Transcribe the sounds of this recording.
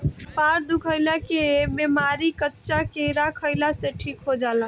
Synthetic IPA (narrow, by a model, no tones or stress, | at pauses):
paɾd̪ukʰəɪlakebemaɾikətːʃakeɾakʰəɪlaseʈʰiːkɦod͡ʒala